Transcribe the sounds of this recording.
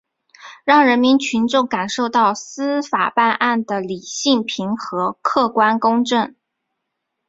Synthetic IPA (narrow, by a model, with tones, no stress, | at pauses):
ɻɑ˥˩ŋɻə˧˥nmi˧˥nt͡ɕʰy˧˥nʈ͡ʂʊ˥˩ŋka˨˩nʂo˥˧ʊt̪ɑ˥˩ʊsɹ̩˥fa̰˨˩pa˥˧nʔa˥˩nd̪ə˩li˨˩ɕi˥˩ŋpʰi˧˥ŋxɤ˧˥kʰɤ˥˩kwa˥nkʊ˥ŋʈ͡ʂə˥˩ŋ